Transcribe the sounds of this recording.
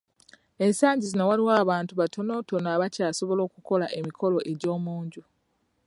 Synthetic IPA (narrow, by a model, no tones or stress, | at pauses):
e̞nsaːɲɟizino̞waliwaːβaːntuβatʰo̞no̞ːto̞noaβacaːso̞βo̞lo̞ːkuko̞laʔe̞mikʰo̞lo̞ʔe̞ɟo̞ːmuːɲɟu